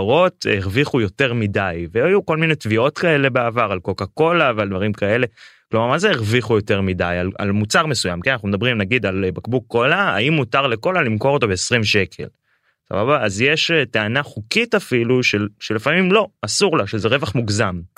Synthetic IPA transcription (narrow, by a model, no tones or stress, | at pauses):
ʁo̞teʁviχujo̞te̞ʁmidajveajuko̞lminetvio̞tkae̞le̞beavaʁalkokako̞laveald̪vaʁimkaele̞klomaʁmazeeʁviχujo̞te̞ʁmidajala̰lmut͡saʁme̞sujamkenanaχnumed̪abʁimnaɡid̪albakbukːo̞laa̰imːutaʁleko̞lalimko̞ʁo̞to̞be̞ːsʁimʃe̞kʰe̞̰l | sa̰babaːzjeʃeteanaχukitafiluʃe̞lʃelefamimlo̞asuʁlaʃezeʁe̞vaχmuɡzam